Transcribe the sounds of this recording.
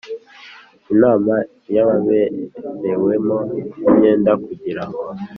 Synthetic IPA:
inaːma | jaβaβenewemoimɲe̞ːndakuɟiɾaŋo

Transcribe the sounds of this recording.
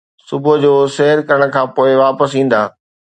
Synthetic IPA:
sʊbʊd͡ʑoːsɛɦəɾkɐɾəɽ̃kʰãːpoːɪʋaːpəsĩːn̆d̪aː

